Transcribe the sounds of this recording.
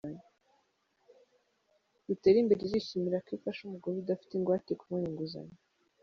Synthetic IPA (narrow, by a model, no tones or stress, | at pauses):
aɲ | d̥uteːɾimbeɾeziʃimiɾakifaʃumuɡoɾidafi̥teŋɡwaːtekumaniŋɡuza̰ɲe